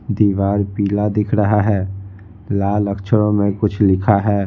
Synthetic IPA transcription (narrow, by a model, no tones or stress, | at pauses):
d̪iːʋaːɾpiːlad̪ɪkʰɾəɦaɦɛː | laːləkʃʰəɽõmẽkʊt͡ʃʰlɪkʰaɦɛː